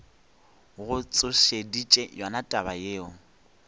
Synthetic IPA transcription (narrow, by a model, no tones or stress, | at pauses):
ɣʊt͡sʼʊʃedit͡ʃʼɛjwanatʼabajeːɔ